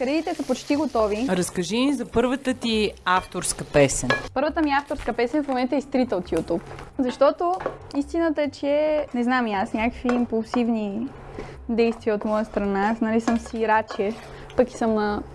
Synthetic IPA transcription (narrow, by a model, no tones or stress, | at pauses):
kɐɾɛit̪ɛsəpot͡ʃt̪iɡot̪ɔviɾɐskɐʒinzɐpɤɾvət̪ət̪iaft̪oɾskəpɛsɛnpɤɾvət̪əmiaft̪oɾskəpɛsɛnfmomɛnt̪əɛist̪ɾit̪əot̪jut̪upzɐʃt̪ɔt̪oist̪inət̪əɛt͡ʃɛnɛznamiasnʲakəkviːmpulˠsivni | d̪ɛjst̪viəot̪mɔjəst̪ɾɐnaasnɐlisəmsiɾat͡ʃɛ | pəki̥səmnɐ